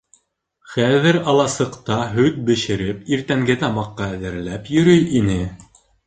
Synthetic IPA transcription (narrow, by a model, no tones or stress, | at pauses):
χæðɘɾɑlˠɑsɤ̆qt̪ɑɦɵt̪̚bɘ̆ʃɘ̆ɾɘpiɾt̪æŋɡɘt̪ɑmɑqːɑæðɘ̆ɾlæpjɵ̆ɾɵjinɘ